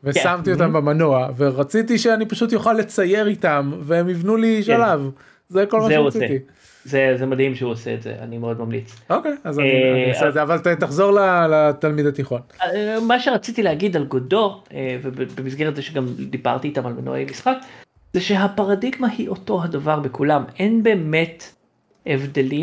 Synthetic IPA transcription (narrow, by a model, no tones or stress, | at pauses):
vesamt̪iot̪ambemano̞aveʁat͡sit̪̬iʃeanipaʃut̪̬joχalːe̞t͡saje̞ʁit̪amvemivnuliʃalav | zeko̞lmaʃeiei | zezemad̪himʃeuoseetzḛʔa̰nimeod̪mamlḭt͡so̞kejazaiseːdzeavalt̪et̪aχzo̞ʁlalat̪almid̪at̪iχo̞nmaʃeʁat͡sit̪ileaɡid̪alɡodo̞ʁevebebemisɡeʁetzeʃeɡamd̪iba̰ʁt̪iːt̪amalmeno̰ḛjmisχak | zeʃe̞ɦapaʁadiɡmahiʔo̞to̞ɦadavaʁbekulame̞nbe̞ːmet | evd̪eli